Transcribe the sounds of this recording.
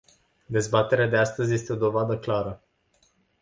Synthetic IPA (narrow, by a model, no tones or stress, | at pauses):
d̪e̞zbat̪e̞ɾead̪e̞ast̪əzʲje̞st̪eo̞d̪o̞vad̪əklaɾə